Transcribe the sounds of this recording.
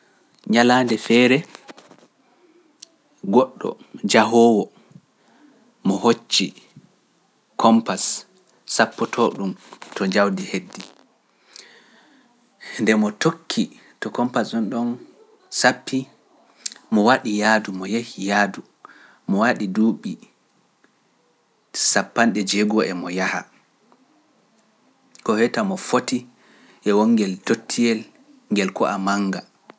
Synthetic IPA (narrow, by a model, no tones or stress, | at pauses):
ɲalaːndɛfɛːɾɛ | ɡɔɗːɔ̰d͡ʒaɦɔwɔ | mɔɦot͡ʃːi | kʰɔmpasː | apːɔtʰɔɗumtɔd͡ʒawdihedːi | ndɛmɔtokʰːi | tɔkɔmpasɗɔnɗɔn | sapʰːi | mɔwaɗijaːdumɔjehijaːdu | mɔwaɗiduːɓi | sapːanɗɛd͡ʒeɡɔʔɛmɔjaha̰ | kɔhɛtamɔfoti | ʔɛwɔŋːɡɛltotʰːiɛl | ŋɡɛlkɔ̰ʔamaŋɡa